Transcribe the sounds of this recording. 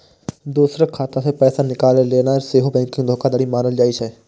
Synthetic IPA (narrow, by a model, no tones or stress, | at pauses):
d̪uːsɾakʰaːt̪ãsepɛːsanɪkaːleleːnaɾseːɦobɛ̃ːŋkɪ̃ŋɡd̪ʱoːkad̪aːɽimaːnəld͡ʒaːiʃɛː